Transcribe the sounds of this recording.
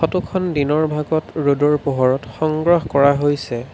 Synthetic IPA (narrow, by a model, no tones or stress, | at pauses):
xɔtukʰɔndinɔɹbʱaɡɔtɹodɔɹpoɦɔɹɔtxɔŋɡɹɔɦkɔɹaɦojsɛ